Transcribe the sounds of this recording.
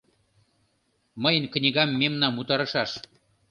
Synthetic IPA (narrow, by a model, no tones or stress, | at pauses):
mɤjə̆nknʲiɡɑmːemnɑmut̪ɑɾɤ̆ʃɑʃ